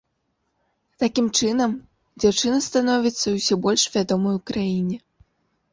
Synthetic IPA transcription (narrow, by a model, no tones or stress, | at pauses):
t̪akʲimt͡ʂɨnɐm | d͡zʲawt͡ʂɨnɐst̪anɔvʲit̪sːɐusʲɔbɔlʲʂvʲad̪ɔmɐjukɾajinʲɛ